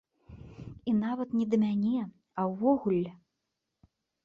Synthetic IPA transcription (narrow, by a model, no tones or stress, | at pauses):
inavɐt̪nʲɛd̪ɐmʲanʲɛ | ɐwːɔɣulʲ